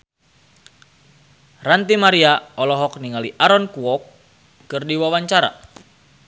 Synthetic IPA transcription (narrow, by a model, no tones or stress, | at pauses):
rant̪imaɾiaɔlɔɦɔk̚niŋaliʔaɾɔnkuɔkː | ɨrdiwawaɲt͡ʃaɾa̰